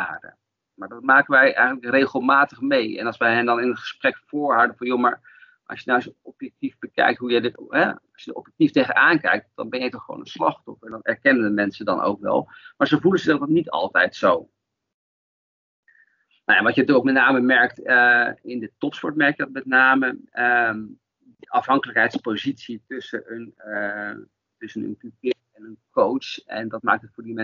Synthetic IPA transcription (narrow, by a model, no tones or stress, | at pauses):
aːdə̰ | maːɹdɔtmaːkənʋɛjɛ̰jxənləkrejχəlˠmaːtəχmejɛ̰nɑlˠsʋɛjɦɛndɑnɪnətχə̥sprɛkfoːɹɦawdənvɔnjomaɹ | ʔɑ̰sjənasəɔpjɛk̚tivbəkɛ̰jk̚tɦujədəɦɛɑsjəəɔ̰pjɛk̚tiftejχənaːnkɛ̰jk̚td̥ɑ̰nbɛnjəjtɔχəʋo̰ːnənslɑ̰χtɔfəndɑnɛ̰ɹkɛnənəmɛnsədɑ̰nʔo̰wkʋɛ̰lˠmaːɹzovulənzədɔtnitɑ̰lˠtɛjtsow | nojaʋɑtjənətykowk̚mɛtⁿnaːməmɛɹk̚t | ɪndətɔpspɔɹtmɛɹkjədɑt̚mɛtnaːməəm | dəʔɑfɦɑŋkələkɦɛjtspozitsitɵsənən | tɵsənə̰npyp̚ɪ | ɛnənkowɛ̰ndɑt̚maːk̚tətfʊːɹdimɛn